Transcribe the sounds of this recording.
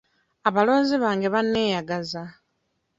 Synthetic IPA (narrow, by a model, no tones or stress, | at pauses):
aβalo̞ːnziβaːŋɡeβanːe̞ːjaɡaza